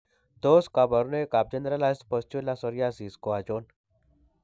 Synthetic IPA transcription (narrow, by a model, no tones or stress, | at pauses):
d̪oːskabəɾnekaːp̚d͡ʒənd̪ɾalaːspəst͡ʃulasɔɾjaːsiːskoad͡ʒoːn